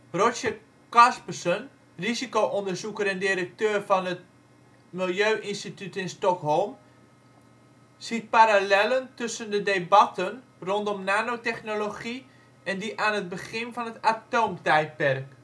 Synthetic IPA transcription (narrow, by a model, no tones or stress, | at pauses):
rosə | kɑspəsən | rizikowʔɔndəɹzukəɾɛndɪɾək̚tøːrvɑnət | mɪlˠjøːʔɪnstitytɪnstɔkɦɔlˠm | sit̚paɾalɛləntɵsəndədebɑtən | rɔntɔmnaːnowtɛχnoloχi | ɛndiʔaːnət̚bəχɪnvɑnətatoːmtɛjt̚pɛrk